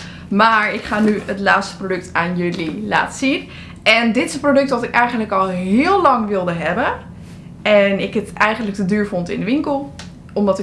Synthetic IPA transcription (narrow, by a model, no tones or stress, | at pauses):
maːɹɪkχaːnyətlaːtstəprodøk̚tʰaːnjølila̰ːtə̥sin | ɛndɪtɪsənprodɵk̚tʋɔtɪkɛjχəndləkɔlˠɦɪəlˠlɑŋʋɪlˠdəɦɛbə | ɛnɪkətɛjχəndlək̚tədyːɹfɔntɪ̰ndəʋɪŋkəlˠ | ɔmdɔtɪ